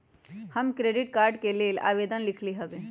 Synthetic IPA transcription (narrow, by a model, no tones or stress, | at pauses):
həmkɾeːɖɪʈkaːɾɖkeleːla̰ːʋeːd̪ənlɪkʰliɦəbẽː